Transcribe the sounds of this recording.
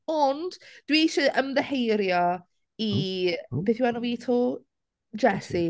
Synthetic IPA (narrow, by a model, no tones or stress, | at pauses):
ɔnd̥d̥wiʃəʔəmðəhejɾjɔ | ibeːθjiwanɔviːtʰoː | d͡ʒɛsi